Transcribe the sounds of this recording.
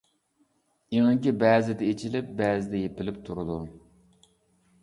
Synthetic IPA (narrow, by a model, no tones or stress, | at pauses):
iŋɨŋkʲibɛːzɪd̪ɛet͡ʃʰilɪp̚bɛːzɪd̪ɛjepɪlɪpt̪ʰuɾʊd̪u